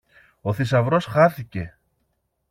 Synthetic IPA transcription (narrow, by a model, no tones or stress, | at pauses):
o̞θis̬ɐvɾo̞sxɐθice̞